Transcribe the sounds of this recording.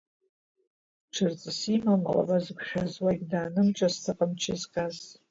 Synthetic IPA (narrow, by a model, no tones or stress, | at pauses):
ʈ͡ʂʰɨrt͡sʼɨsimama̰la̰bazɡʷχʲazwaɡʲdaːnɨmʈ͡ʂʼastʰaqʼəmt͡ʃʰɪzkʼaz